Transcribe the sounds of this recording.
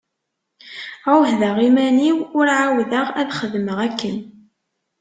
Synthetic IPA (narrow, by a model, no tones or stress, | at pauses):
awhðəʁimæniwʊɾʕawðəʁæðχəðməʁækːən